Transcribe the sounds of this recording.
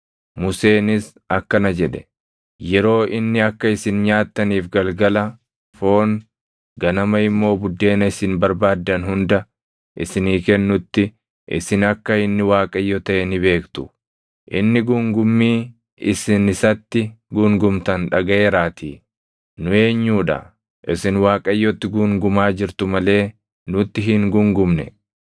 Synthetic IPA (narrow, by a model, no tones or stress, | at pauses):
mʊse̞ːnɪs | ɐkːɐnɐd͡ʒɛᶑɛ̥ | jɛɾo̞ːʔɪnːɪɐkːɐɪsɪnɲaːt̪ːɐniːfɡɐlɡɐlɐ | fo̞ːŋ | ɡɐnɐmɐɪmːo̞ːbʊd̪ːe̞ːnɐɪsɪnbɐɾbaːd̪ːɐnɦʊnd̪ɐ | ʔɪsɪniːkɛnːʊt̪ːɪ | ʔɪ̰sɪnɐkːɐɪnːɪwaːkʼɐjːɔt̪ɐʔɛnɪβe̞ːkt̪ʊ̥ | ʔɪnːɪɡʊŋɡʊmːiː | ɪsɪnɪsɐt̪ːɪɡʊŋɡʊmt̪ɐnᶑɐɡɐʔeːɾaːt̪ḭː | nʊe̞ːɲːuːᶑɐ̰ | ʔɪsɪnwaːkʼɐjːɔt̪ːɪɡʊŋɡʊmaːd͡ʒɪɾt̪ʊmɐle̞ː | nʊt̪ːɪɦɪŋɡʊŋɡʊmnɛ̰